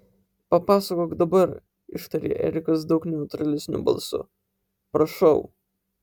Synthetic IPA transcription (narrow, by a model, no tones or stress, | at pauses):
pɐpɑːsɐkoːkd̪ɐbɐɾ | ɪʃt̪ɐɾʲḛːʔɛ̰ɾʲɪkɐsd̪ɐʊknʲɛʊt̪ɾɐlʲɪsʲnʲʊ̰bɐ̰lˠsʊ̰ | pɾɐʃɐʊ